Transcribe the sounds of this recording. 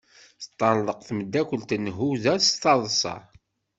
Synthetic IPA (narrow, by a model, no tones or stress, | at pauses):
θt̪ˤːɑnðˤəqθməd̪ːækʷəlt̪ənːɦuðæst̪ɑðˤsˤɑ̰